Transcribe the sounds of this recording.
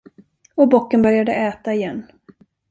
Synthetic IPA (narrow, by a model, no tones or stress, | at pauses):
ɔbɔkːənbœɾjad̪əʔɛːt̪aɪjɛnː